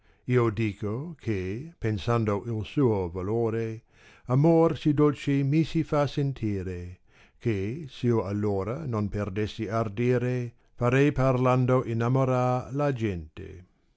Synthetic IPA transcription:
iːod̪iːkokʰepensand̪oʔilsuːovaloːɾe | amorsid̪olt͡ʃimisifasent̪ʰiːɾe | kʰesioalːoːɾanonperd̪esːiard̪iːɾe | faɾɛjparland̪oʔinamoɾalad͡ʒɛnt̪ḛ

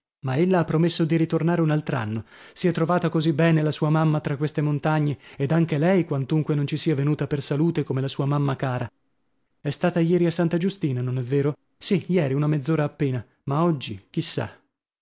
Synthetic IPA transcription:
maelːaapːɾomesːod̪iɾit̪ornaːɾeunalt̪ɾa̰nːosiɛt̪ːɾovaːt̪akozibːɛːnelasuːamamːat̪ɾakːwest̪emont̪aɲːeed̪aŋk̟elɛjkwant̪uŋkwenont͡ʃisiːavenuːt̪apersaluːt̪ekomelasuːamamːakaːɾa | ɛst̪aːt̪ajɛːɾiasːant̪ad͡ʒust̪iːnanonɛvːeːɾo | sijɛːɾiunamed̪zːoːɾaːpːeːna | maɔd͡ʒːik̟isːa̰

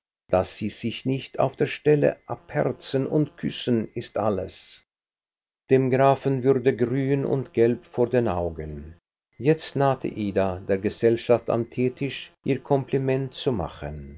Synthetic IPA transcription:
d̥asz̥iːz̥ɪçnɪçtʰa̰ʊfd̥eːɐʃtɛlə̰ʔaphɛʁt͡sənʔʊntkʰʏsənɪstʔaləs | d̥eːmɡʁaːfn̩vʏʁdəɡʁyːnʊ̰ntɡ̥ɛlpfoːɐdeːnʔaʊɡən | jɛt͡stnaːtʰə̰ʔiːdadeːɐɡəzɛlʃafta̰mtʰeːtʰɪʃʔiːɐkʰɔmplimɛntt͡suma̰χən

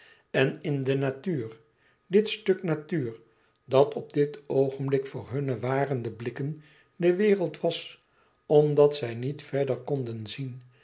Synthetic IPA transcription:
ɛnɪndənatyːr | dɪtstøknatyːɹ | dɑtɔb̚dɪtowχənblɪkfʊːɹɦɵnəʋaːrəndəblɪkən | dəʋɪːrəlˠtʋɑs | ɔmdɑtsɛjnitfɛɹdəɹkɔndənzin

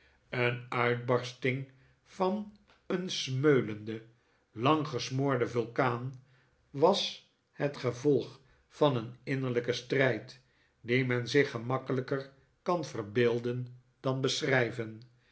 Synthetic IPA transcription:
ənœɥd̚bɑɹstɪŋ | v̥ɑn | ənsmøɥləndə | lɑŋχəsmʊːɹdəvɵlˠkaːn | ʋɑs | hətχəvɔlˠχ | fɑnənɪnəɹləkəstrɛjt | dimɛnzɪχəmɑkələkər | kɑnv̥ərbɪːlˠdən | d̥ɑnbəsrɛjvən

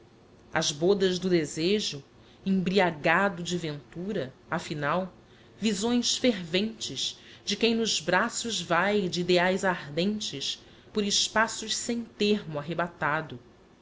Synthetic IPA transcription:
ɐ̰zbod̪ɐzd̪ʊd̪ezeʒʊ | ẽŋbɾiaɡad̪ʊd͡ʒɪvẽnt̪uɾɐafinaw | vizõj̃sfeɾvẽnt͡ʃɪzd͡ʒɪkẽj̃nʊzbɾasʊzvajd͡ʒɪid̪eajzaɾd̪ẽnt͡ʃɪʃ | pʊɾɪʃpasʊʃsẽj̃t̪eɾmʊaɦebat̪ad̪ʊ

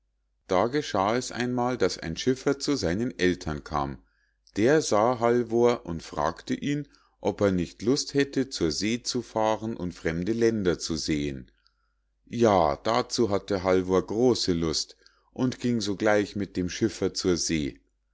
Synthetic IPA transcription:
d̥aːɡəʃaːɛsʔa̰ɪnmaːldasa̰ɪnʃɪfɐt͡suzaɪnənʔɛltʰɐnkʰa̰ːm | d̥eːɐzaːɦalvoːɐʔʊntfʁ̥a̰ːktəʔiːn | ʔɔpeːɐnɪçtlʊsthɛtət͡suːɐzeːt͡sufaːʁənʔʊntfʁ̥ɛmdəlɛndɐt͡suzeːən | jaːd̥aːt͡suːɦatəɦalvoːɐɡʁoːsəlʊst | ʔʊntɡ̥ɪŋzoːɡlaɪçmɪt̚d̥eːmʃɪfɐt͡suːɐzeː

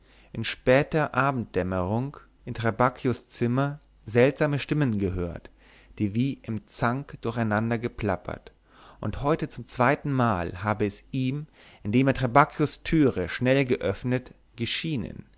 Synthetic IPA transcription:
ʔɪnʃpɛːtɐʔaːbm̩t̚d̥ɛməʁʊŋk | ʔɪntʁ̥abakʰjʊst͡sɪmɐ | zɛltz̥aːməʃtɪmənɡəɦøːɐt | d̥iːviːʔɪmt͡saŋkd̥ʊɐçaɪnandɐɡəpʰl̥apʰɐ̰t | ʔʊnthɔʏtət͡sʊmt͡sv̥aɪtn̩maːlhaːbəɛsʔiːm | ʔɪndeːmeɐtʁabakʰjʊstʰyːʁəʃnɛlɡəʔœfnət | ɡ̥əʃiːnə̰n

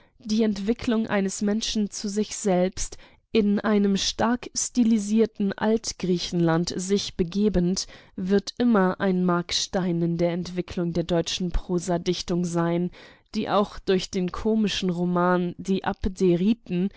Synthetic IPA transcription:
d̥iːɛntv̥ɪkʰlʊŋʔa̰ɪnəsmɛnʃn̩t͡suzɪçz̥ɛlpst | ʔɪnʔaɪnəmʃtaɐkstiliziːɐtn̩ʔa̰ltɡ̥ʁiːçn̩lantz̥ɪçb̥əɡeːbəntvɪɐtʔɪmɐʔaɪnmaɐkʃtaɪnɪndeːɐɛntv̥ɪkʰlʊŋdeːɐdɔʏt͡ʃn̩pʁ̥oːzadɪçtʊŋzaɪnd̥iːʔa̰ʊxd̥ʊɐçd̥eːnkʰoːmɪʃn̩ʁomaːndiːʔapdeʁiːtn̩

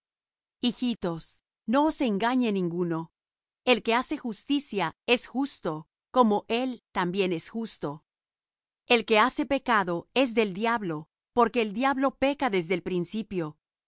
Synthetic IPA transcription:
ixit̪o̞s | no̞ːse̞ŋɡaɲenĩŋɡuno̞ | e̞lke̞ase̞xust̪isjae̞sxust̪o̞ | ko̞mo̞ʔe̞lt̪ambje̞ne̞sxust̪o̞ | e̞lke̞ase̞pe̞kaðo̞e̞zðe̞ld̪jaβlo̞ | po̞ɾke̞ːld̪jaβlo̞pe̞kaðe̞zðelpɾinsipjo̞

